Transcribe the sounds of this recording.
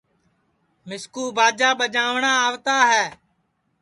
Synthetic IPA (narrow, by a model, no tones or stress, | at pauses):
mɪskuːbaːd͡ʒaːɓəd͡ʒaːʋɳaːaːʋt̪aːɦɛː